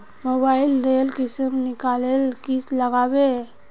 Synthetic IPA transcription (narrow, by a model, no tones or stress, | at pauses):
mobaɪlɾelkɪsəmnɪkalelkisləɡaːbe